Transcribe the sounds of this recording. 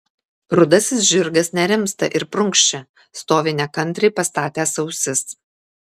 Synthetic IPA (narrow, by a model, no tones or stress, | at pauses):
ɾʊd̪ɐsʲɪsʒʲɪɾɡɐsnʲɛɾʲɪmst̪ɐʔɪɾpɾʊŋkʃʲt͡ʃʲɛ | st̪oːʋʲɪnʲɛkɐnʲˑt̪ʲɾʲɛɪpɐst̪ɑːt̪ʲæːsɒʊsʲɪs